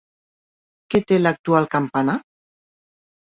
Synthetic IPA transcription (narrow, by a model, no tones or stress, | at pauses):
ket̪elak̚t̪ualˠkampana